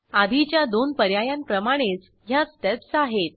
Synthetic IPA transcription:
ad̪ʱit͡ɕjad̪onpəɾjajampɾəmaɽ̃et͡s | ɦjasʈɛpsaɦet̪̚

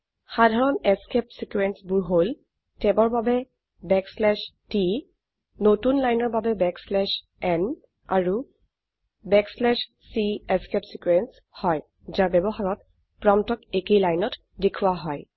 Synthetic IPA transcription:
xadʱaɹɔnɛskɛp̚sikuɛnsbuɹɦol | tɛbɔɹbabɛ | bɛkslɛʃti | notunlajnɔɹbabɛbɛkslɛʃ | ɛn | a̰ɹu | bɛkslɛʃ | siɛskɛpsikwɛns | hɔj | zaɹbɛbɔxaɹɔt̚ | pɹɔmtɔkekejlajnɔt | dekʰuwaɦɔj

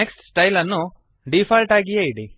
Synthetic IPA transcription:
eksʈsʈɐjlɐnːu | ɖipʰalʈaːɡijɐiɽi

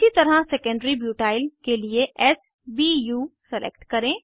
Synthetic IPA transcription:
it̪ɐɾaseːkə̃ɳɖɾibjuːʈaːɪlkelieʔɛːs | bijuːsɛlʔḛːkʈkɐɾẽː

